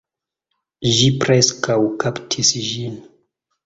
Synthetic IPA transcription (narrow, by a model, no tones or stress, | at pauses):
ʒipɾɛskawkaptʰisʒin